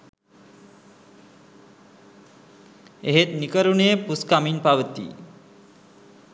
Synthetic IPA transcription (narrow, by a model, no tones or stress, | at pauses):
eɦet̪nikəɾunepuskaminpaʋət̪ḭ